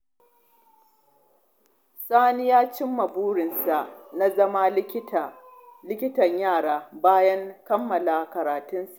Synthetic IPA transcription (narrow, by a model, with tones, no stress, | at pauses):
saː˦nɪ˦jaː˦t͡ʃɪ˦mːɐ˨buː˦ɽɪ˨nsa˨ʔna˦zɐ˦ma˦llɪ˦kʲɪ˦tɐ˨ɲjaː˦˨ɽaː˦baː˦jɐ˦ŋkɐ˦mːɐ˨la˨kɐ˨ɾaː˨tʊ˦nsu˨ʔ